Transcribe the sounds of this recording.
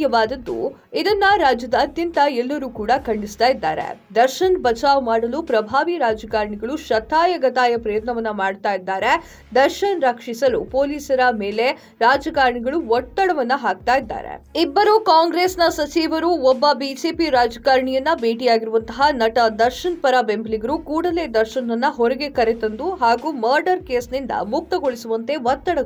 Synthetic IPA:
jɐʋaːd̪ɐd̪ːṵ | id̪ɐnːɐɾaːd͡ʒjɐd̪ɐːt̪jɐnt̪ɐɛlːɐɾuːkuːɽɐkɐɳɖist̪aːjid̪ːa̰ːɾḛd̪ɐɾʃɐnbɐt͡ʃaːʋɐmaːɽɐlupɾɐbʱaːʋiɾaːd͡ʒɐkaːɾɳiɡɐɭuʃɐt̪ʰːaːjɐɡɐt̪aːjɐpɾɐjɐt̪nɐʋɐnːɐmaːɽt̪aːjid̪ːaːɾe | d̪ɐɾʃɐnɾɐkʂisɐlṵpoːliːsɐɾɐme̞ːle | ɾaːd͡ʒɐkaːɾɳiɡɐɭuʋɔt̪ːɐɽɐʋɐnːɐɦaːk̚t̪aːjid̪ːa̰ːɾḛibːɐɾukaːŋɡɾeːsnɐsɐt͡ʃiːʋɐɾuɔbːɐbiːd͡ʒeːpiɾaːd͡ʒɐkaːɾɳijɐnːɐbeːʈ̬ijaːɡiɾuʋɐnt̪ɐɦɐnɐʈɐd̪ɐɾʃɐnpɐɾɐbembɐliɡɐɾukuːɽɐle̞ːd̪ɐɾʃɐnɐnːɐɦɔɾɐɡe̞kɐɾet̪ɐnd̪uɦaːɡuːmɐːɾɖɐɾkeːsnind̪ɐ̰muk̚t̪ɐɡoɭisuʋɐnt̪e̞ʋɐt̪ːɐɽɐ

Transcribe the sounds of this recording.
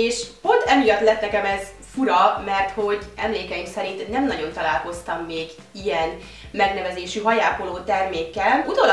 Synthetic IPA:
eːʃpo̞nt̪ɛmijɒt̪lɛt̪nɛkɛmɛz̥ | fuɾɒmɛrt̪ho̞ɟɛmleːkɛjimksɛɾint̪nɛmnɒɟo̞nt̪ɒlaːlko̞st̪ɒmːeːɡ | ijɛn | mɛɡnɛvɛzeːʃyɦɒjaːkoloːt̪ɛrmeːkːɛlut̪ol

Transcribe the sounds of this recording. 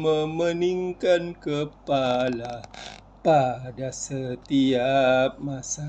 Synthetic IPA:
məməniŋkankəpala | padasət̪iap̚masa

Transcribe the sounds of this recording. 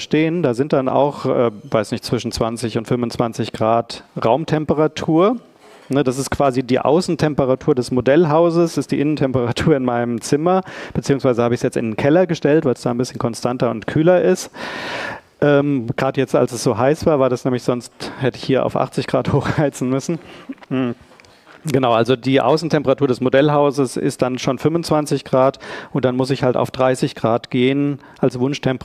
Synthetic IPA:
ʃteːəndaːzɪnt̚d̥anʔa̰ʊxʔɛːvaɪsnɪçtt͡sv̥ɪʃn̩t͡sv̥ant͡sɪçʊntfʏmʊnt͡sv̥ant͡sɪçɡ̥ʁaːtʁaʊmtʰɛmpəʁatʰuːɐ | nədas̬ɪst̚kv̥aːzidiːʔa̰ʊsn̩tʰɛmpəʁatʰuːɐdɛsmodɛlɦaʊzəsɪstd̥iːʔɪnəntʰɛmpəʁ̞atʰuːɐɪnmaɪnəmt͡sɪmɐb̥ət͡siːʊŋsv̥aɪzəhaːbəɪsjɛt͡sɪ̰ndnkʰɛlɐɡəʃtɛltv̥aɪlsd̥aːnbɪsçən̩kʰɔnstʰantɐʊ̰ntkʰyːlɐʔɪst | ʔɛːmɡ̥ʁaːdəjɛt͡sta̰lsɛsz̥oːɦaɪsv̥aːɐvaːɐdasnɛːmlɪçz̥ɔnsthɛtəɪçhiːɐʔa̰ʊfʔa̰χt͡sɪçɡ̥ʁaːthoːxʁ̥aɪt͡sn̩mʏsn̩ | ɡ̥ənaʊʔalzodiːʔa̰ʊsn̩tʰɛmpəʁatʰuːɐdɛsmodɛlɦaʊzəsɪ̰st̚d̥anʃoːnfʏmvʊnt͡sv̥ant͡sɪçɡ̥ʁaːtʔʊnt̚d̥anmʊsɪçhalta̰ʊfd̥ʁaɪsɪçɡ̥ʁaːtɡ̥eːən | ʔalsv̥ʊnʃtʰɛmpə

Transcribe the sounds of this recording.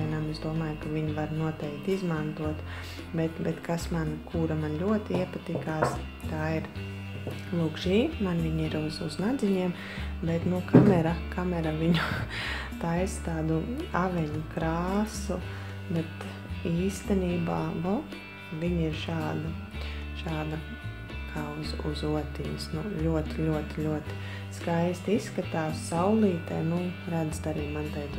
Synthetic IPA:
jnamezd̪uɔmaːjkaʋʲiɲʋaɾnuɔt̪ɛɪkt̪izmant̪uɔt̪ | bɛt̪bɛt̪kasmankuːɾamanlʲuɔt̪iiɛpat̪ikaːs | t̪aːiɾ | lˠuːkʒiːmanʋiɲiɾuzuznad̪zʲiɲiɛm | bɛt̪nukamɛɾakamɛɾaʋʲiɲu | t̪aːɛst̪aːd̪uaʋʲɛɲukɾaːsu | bɛt̪ | iːst̪ɛniːbaːvo | ʋiɲiɾʃaːd̪ɐ | ʃaːd̪ɐ | kʰaːuzuzuɔt̪iɲsnulʲuɔt̪iʎʲuɔt̪lʲuɔt̪i̥ | skajst̪isːkat̪aːsːawlˠiːt̪ɛjnuɾad̪zt̪aɾiːmant̪ajd̪

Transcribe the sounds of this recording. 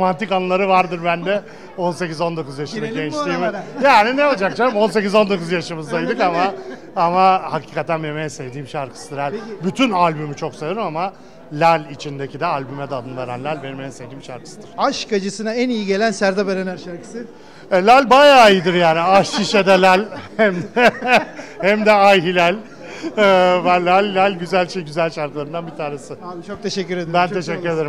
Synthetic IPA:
ɾomant̪ʰikanɯlˠaɾɯvaɾd̪ɯɾbænd̪ɛ | o̞nse̞cizo̞nd̪o̞kuzjaʃɯnnaɡent͡ʃt̪iːmjaːninɛolˠd͡ʒakt͡ʃʰamo̞nse̞cizo̞nd̪o̞kuzjaʃɯmɯzd̪ajd̪ɯkama | amahacʰi̥ːkat̪ʰænbemeninsevd̪iːmʃaɾkʰɯ̥sɯd̪ɯɾælʲbyt̪ʰynalʲbymyt͡ʃʰo̞ksajoɾumama | lʲælʲit͡ʃʰind̪e̞cʰid̪ɛalʲbymɛd̪ɛːd̪ɯnvaɾanlʲælʲbenmensevd̪iːmʃaɾkɯ̥sɯd̪ɯɾ̥aʃkʰad͡ʒɯsɯnaænijiɟe̞lʲænsæɾd̪ɛbeɾenæɾaɾkɯ̥s | ɛlʲælʲbajaːijd̪ɯɾjaːniaʃiʃed̪ɛlʲælʲæm | hæmd̪ɛajɦilʲælʲ | bænlʲælʲːælʲɟyzælʲʃejɟyzælʲʃaɾklˠaɾɯnd̪anbit̪ʰaːɾesɯot̪ʰeʃɛːyɾebænt̪ʰe̞ʃɛcːyɾe̞d̪eɾi

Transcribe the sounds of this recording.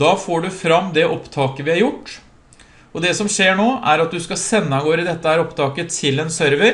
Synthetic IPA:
ɑːfoːɖʉfɾɑmːd̪ɛʔɔpt̪ʰɑːkəʋɪhɑɾjʊʈː | ɔd̪ɛsɔmʂeːɳoːʔæɾɑt̪̚d̪ʉskɑsɛnːəɡoːɾəd̪ɛt̪ːəhæːɾɔpt̪ʰɑːkət̪ʰɪlɛnsœɾʋəɾ

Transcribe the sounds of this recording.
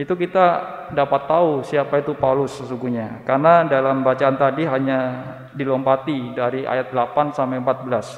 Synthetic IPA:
it̪ukit̪a | dapat̪ːausiapait̪upalʊsːəsuŋɡuhɲakarnadalambat͡ʃaːnt̪adiɦaɲa | dilompat̪idaɾia̰jat̪̚dlapansampampat̪̚bəlas

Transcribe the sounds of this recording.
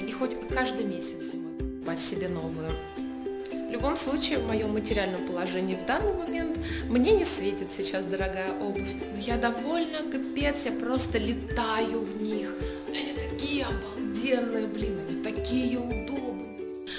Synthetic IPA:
ixotʲkaʐd̪ɨjmʲesʲɪt̪s | batʲsʲɪbʲeno̞vəjʊ | vlʲʊbo̞mslˠut͡ɕɪːvmɐjo̞mətʲɪɾʲɪalʲnəjəpəlˠɐʐɛnʲɪjəvd̪anːɨjmɐmʲe̞nt̪mnʲenʲɪsvʲetʲɪt̪sʲɪt͡ɕasd̪əɾɐɡajəʔo̞bɨfʲnojad̪ɐvo̞lʲnəkɨpʲet̪sjapɾo̞st̪əlʲɪt̪ajʊvnʲix | ɐnʲit̪ɐkʲijəɐbɐdʲe̞nːɨjəblʲinɐnʲɪt̪ɐkʲijəʊd̪obnɨ

